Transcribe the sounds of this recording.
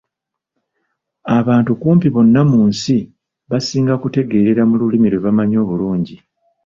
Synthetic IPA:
aβaːntukuːmpiβo̞nːamuːnsi | βasiːŋɡakute̞ɡe̞ːɾe̞ɾamululimiɾwe̞βamaɲo̞ːβuluːɲɟi

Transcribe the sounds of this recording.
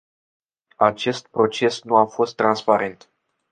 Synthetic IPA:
at͡ʃe̞st̪̚pɾo̞t͡ʃe̞snuafo̞st̪ːɾanspaɾe̞nt̪

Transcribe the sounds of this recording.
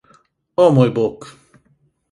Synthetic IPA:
ɔmojbok

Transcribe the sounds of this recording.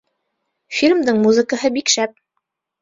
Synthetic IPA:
fʲilʲmd̪ɤɴmuzə̆kəɦɤbikʃæp̚

